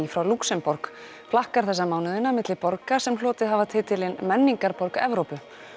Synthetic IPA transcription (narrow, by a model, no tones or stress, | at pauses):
ifɾawluksɛmpɔɾk | flahkaɾ̥θɛs̬ːamaːwnʏðɪnamɪt̪lɪpɔɾkasɛml̥ɔːt̪ɪðɦavat̪ʰɪt̪ʰɪlɪnmɛnːiŋkaɾpɔɾkɛvɾowpʏ